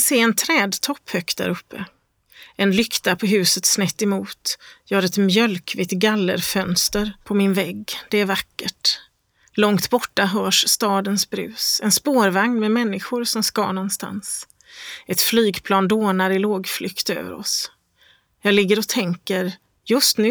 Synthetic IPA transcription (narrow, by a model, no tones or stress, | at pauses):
seːɛnt̪ʰɾɛːd̪t̪ʰɔpːhœkt̪̚d̪æ̰ɾɵpːə̰ | ɛnlʏkt̪apʰɔɦʉ̟ːsət̪snɛt̪ːɪmuːt̪jɑːhaɾɛt̪mjœlkʰvɪt̪ɡalːə̰ɾfœnst̪əɾpʰɔmɪnvɛɡːd̪̥ɛæɾvakːəʈ | lɔŋt̪bɔʈːaɦœːʂst̪ɑːd̪ənsbɾʉ̟̰ːsɛnspoːɾvaŋnmɛmɛnːɪɧʊɾsɔmskɑ̰ːɳɔnst̪a̰ns | ɛt̪flyːɡpʰlɑːnd̪oːnaɾɪloːɡflʏkt̪ø̰ːvə̰ɾɔ̰s | jɑːɡlɪɡːəɾɔt̪ʰɛŋkəɾ | jɵst̪nʉ̟ː